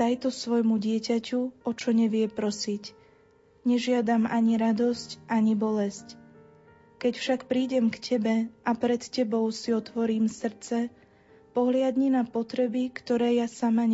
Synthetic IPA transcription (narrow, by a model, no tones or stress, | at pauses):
t̪ajt̪ɔsʋɔjmuɟɪɛcacuɔt͡ʃɔɲɛʋɪɛpɾɔsic | ɲɛʒɪad̪amaɲiɾad̪ɔscʔaɲibɔlɛsc | kɛcfʃakpɾiːɟɛmkcʰɛbɛʔapɾɛt̪cɛbɔʊsiɔt̪ʋɔɾiːmsr̩t͡sɛ | pɔɦlɪad̪ɲinapɔt̪ɾɛbikt̪ɔɾɛːjasamaɲ